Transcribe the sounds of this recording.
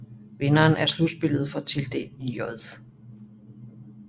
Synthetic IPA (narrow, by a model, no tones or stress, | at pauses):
ʋe̝nɐːnʔæɐslud̥sb̥e̝lð̞̩ˠfɒ̽t͡sʰe̝ld̥e̝̰̥ːjɒðˠ